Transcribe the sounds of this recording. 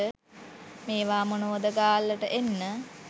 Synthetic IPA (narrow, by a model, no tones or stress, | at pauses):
ə | meːʋaːmonoːd̪əɡaːlːəʈəʔenːə